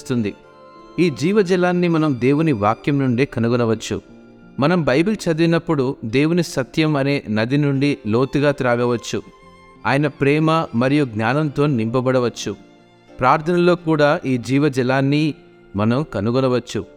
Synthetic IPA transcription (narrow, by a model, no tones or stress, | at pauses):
st̪und̪i | iːd͡ʒiːʋɐd͡ʒɛlaːnːimɐnɐmd̪e̞ːwuniʋaːkjɐmnuɳɖiːkɐnuɡɔlɐʋɐt͡ʃːṵ | mɐnɐmbʱɐjɐbikit͡ʃɐd̪uinɐpːuɽud̪e̞ːwunisɐt̪jɐmɐne̞ːnɐd̪inuɳɖilo̞ːt̪uɡaːt̪iɾaːɡɐʋɐt͡ʃːu | aːjɐnɐpɾɛːmɐmɐɾijuɡnʲaːnɐnt̪o̞ːnimpɐbɐɽɐʋɐt͡ʃːu | pɾaːɾt̪ʰɐnɐlo̞ːkuːɽaːʔiːd͡ʒiːʋɐd͡ʒɛlaːnːi | mɐnɐmkɐnuɡɔlɐʋɐt͡ʃːu